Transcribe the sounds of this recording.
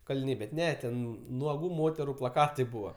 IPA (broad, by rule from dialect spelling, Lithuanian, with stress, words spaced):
kɐlʲɪˈnʲɛɪ bʲɛt ˈnʲɛ tʲɛn nuɔˈɡuː ˈmoːtʲɛrʊ plˠɐˈkɑːtɐɪ ˈbuːʋɐ